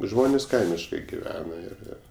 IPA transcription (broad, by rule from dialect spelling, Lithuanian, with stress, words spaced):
ˈʒmoːnʲeːs ˈkɐɪmʲɪʃkɐɪ ɡʲɪˈʋʲæːnɐ ɪr ˈɪr